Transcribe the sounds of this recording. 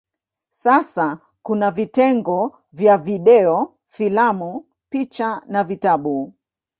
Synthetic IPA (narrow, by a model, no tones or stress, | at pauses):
sasa | kunavitɛŋɡɔ | vjaviɗɛɔ | filamu | pit͡ʃanavitaɓu